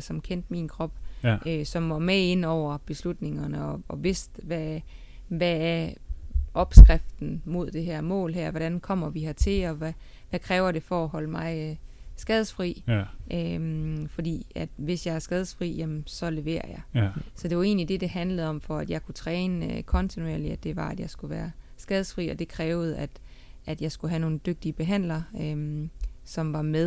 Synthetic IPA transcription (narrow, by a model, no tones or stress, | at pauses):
sɒ̽mkʰen̰d̥minkʰʁɒ̽b̥ʔøsɒ̽mʋɒmee̝n̰ɒʊ̰ɐb̥e̝slud̥ne̝ŋɐnəɒ̽ɒ̽ʋe̝sd̥ʋæ | ʋææɐ | ʔɒ̽b̥sɡ̥ʁafd̥n̩mo̝ð̞̰ˠd̥e̝ɦæɐ̰mɔ̰̽ːlɦæɐ̰ʋɒɾ̥ænkʰɒ̽m̰ɐʋihæt͡sʰe̝lɒ̽ʋæ | ʋækʰʁɛːʊɐd̥e̝fɒːɦɒ̽ləmɑ̈ɪsɡ̥ɛð̞ˠsfʁḭːʔøfɒ̽d̥ḭːæd̥ʋe̝sjɑɪæɐsɡ̥ɛð̞ˠsfʁḭːjemnsɒ̽le̝ʋe̝̰ːɐ̰jɑ̈ɪsɒ̽d̥e̝ʋɑ̈e̝̰ːnlid̥e̝d̥e̝ɦænləð̩ˠɒ̽m̰fɒ̽æd̥jɑ̈ɪkʰut͡sʰʁɛːnəkʰɒ̽nt͡sʰinueɐ̰liæd̥e̝ʋɑ̈æd̥jɑ̈ɪsɡ̥uʋæːɐsɡ̥ɛð̞ˠsfʁḭːɒ̽d̥e̝kʰʁɛːʊð̞̩ˠæd̥ | ʔæd̥jɑ̈ɪsɡ̥uɦæno̝ːn̩d̥øɡ̥̚d̥iəb̥e̝ɦæn̰lɐømsɒ̽mʋɑ̈meðˠ